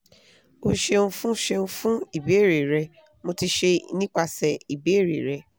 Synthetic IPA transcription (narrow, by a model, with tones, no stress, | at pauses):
o˧ʃe˧ũ˧fũ˦ʃe˧ũ˧fũ˦i˦˨be˨˦e˦˨ɾe˨ɾɛ˧ | mo˧ti˧ʃe˧˦nĩ˦k͡pa˧sɛ˨i˨be˨˦e˦˨ɾḛ˨ɾɛ˧